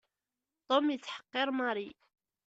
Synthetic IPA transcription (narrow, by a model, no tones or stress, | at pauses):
t̪ˤomjət͡sːħə̥qːeɾˤmɑɾˤi